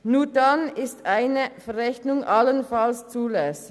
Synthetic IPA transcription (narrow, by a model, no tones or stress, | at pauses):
nuːɐdanɪstʔaɪnəfɛʁɛçnʊŋʔalənfalst͡suːlɛsɪ